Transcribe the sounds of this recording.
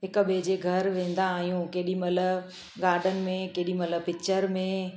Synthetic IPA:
ɦɪkɓed͡ʑeɡʱɐɾʋẽːn̆d̪aːɦijũkeɦɪɗimɐt̪ləb | ɡaːɾɖənɪ̆mẽkeɦɗimɐt̪ləbpɪk̚t͡ɕəɾmẽ

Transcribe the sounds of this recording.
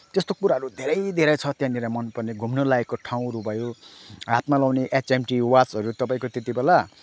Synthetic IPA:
t̪est̪okuɾaɦʌɾud̪ʱeɾʌjd̪ʱeɾʌjt͡sʰʌt̪jãniɾamʌnpʌrneɡʱumnʌlaekːoʈʰaw̃ɾubʱʌjoɦat̪malawneʔet͡semʈiwat͡sɦʌɾut̪ʌpaĩkot̪et̪ibela

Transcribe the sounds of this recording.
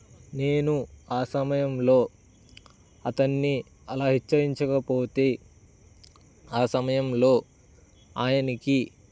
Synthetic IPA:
ne̞ːnuaːsɐmɐjɐmlo̞ː | ɐt̪ɐnːi | ɐlaːɦit͡ʃːɐɾiɲt͡ʃɐkɐpo̞ːt̪e̞ː | aːsɐmɐjɐmlo̞ː | aːjɐniki

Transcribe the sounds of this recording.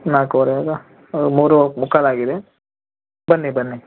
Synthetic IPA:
naːkoɾeaɡɐ | muːɾumukalaːɡid̪e | bɐnːibɐnːi

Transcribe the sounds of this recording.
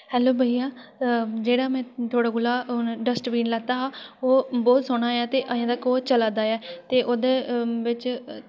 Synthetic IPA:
hɛːloːbʱəijãː | d͡ʒeːɽaːmɛ̃ːt̪ʰoːɽaːɡʊlaːɖəsʈʋiːnlaːt̪aːɦaːoːbɔːt̪soɽ̃aːjaːt̪eːʔəjãːd̪akoːt͡ʃəlaːd̪aːɛːt̪eːʔoːd̪eːʋɪt͡ʃ

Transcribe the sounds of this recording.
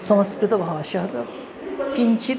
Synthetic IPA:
sɐmɐskɾɪt̪ɐbʱaːʃɐɦɐt̪ɐ | kiɲt͡ʃit̪

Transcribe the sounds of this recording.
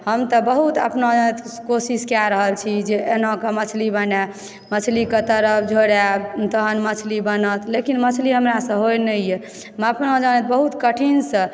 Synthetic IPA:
həmt̪əbəɦut̪ə̰pnõanet̪kosiskjaɾəɦəlt͡ʃʰid͡ʒeenɦõkemət͡ʃʰlibəna | mət͡ʃʰliket̪əɾəpʰd͡ʒʱoɽat̪əɦənmət͡ʃʰlibənət̪lekinmət͡ʃʰliɦəmɾasə̃ɦojnəije | məpnõd͡ʒanet̪̚bəɦut̪kəʈʰinsə̃

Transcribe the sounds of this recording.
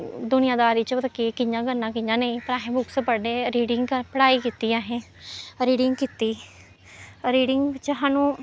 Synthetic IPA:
d̪ʊnɪjãːd̪aːɾiːt͡ʃʋəd̪kikɪɲãːɡənːãːkɪɲãːnəĩpəɾaːɦẽːbʊksəpəɖeːɾiːɽɪŋɡkəpəɽaːiːkiːt̪iːaːɦẽː | ɾiːɖɪŋɡkit̪iː | ɾiːɖɪŋɡt͡ʃəɦãːnũː

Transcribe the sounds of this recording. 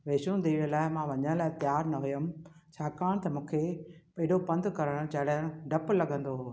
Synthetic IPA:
ʋeːʃũd̪iːɽlaːɪmãːʋɐɲəɽ̃laːɪt̪jaːɾnɐɦʊjəm | t͡ɕʰaːkaːɽ̃t̪ɐmũːkʰepɐ̃ɦɪɗopɐ̃nd̪kɐɾəɽ̃t͡ɕɐɦɪɽəɽ̃ɖʱɐplɐɠə̃nd̪oː

